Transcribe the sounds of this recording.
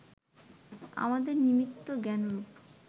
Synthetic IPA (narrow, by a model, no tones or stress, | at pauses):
a̰mad̪eɾnimit̪ːoɡɛnoɾup